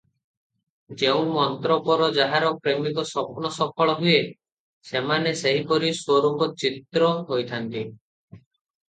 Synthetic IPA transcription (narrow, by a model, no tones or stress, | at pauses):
d͡ʒeũmɔnt̪ɾɔpɔɾɔd͡ʒaɦaɾɔkɾemikɔsɔpunɔsɔpʰɔɭɔɦuje | semaneseɦipɔɾiswoɾuŋɡɔt͡ʃit̪ɾɔɦojt̪ʰant̪i